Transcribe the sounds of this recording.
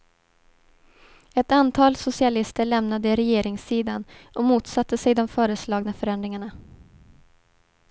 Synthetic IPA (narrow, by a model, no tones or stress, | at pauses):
ɛt̪ant̪ʰɑːlsʊsɪalɪst̪əɭɛmnad̪əɪɾɛjeːɾɪŋsiːd̪anʔɔmuːt̪sat̪ʰːəsɛjd̪ɔmfœːɾəslɑːɡnəfœɾɛnd̪ɾɪŋaɳa